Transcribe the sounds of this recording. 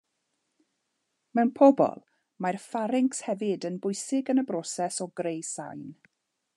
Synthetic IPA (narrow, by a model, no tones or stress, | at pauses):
mɛwnpʰɔbɔ̰lˠ | marfaɾɪŋkshɛvɪdənbʊjsɪɡənəbrɔsɛsɔɡɾejsa̰jn